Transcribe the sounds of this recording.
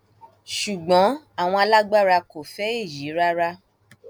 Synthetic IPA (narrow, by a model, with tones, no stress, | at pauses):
ʃu˨ɡ͡bɔ̃˨˦ | a˦˨w̃ɔ̃˧a˧la˦ɡ͡ba˦˨ɾa˧ko˨fɛ˦e˦˨ji˨˦ɾa˦ɾa˧